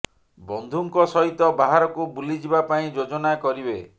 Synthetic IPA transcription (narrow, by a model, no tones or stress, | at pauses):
bɔnd̪ʱuŋkɔsɔɦit̪ɔbaɦaɾɔkubulid͡ʒibapaĩd͡ʒod͡ʒɔnakɔɾibe